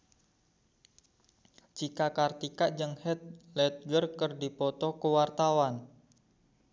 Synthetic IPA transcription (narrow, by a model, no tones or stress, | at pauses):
d͡ʒikakart̪ikaʔd͡ʒəŋhɛt̪̚lɛt̪̚ɡərkərdipɔt̪ɔkəwart̪awan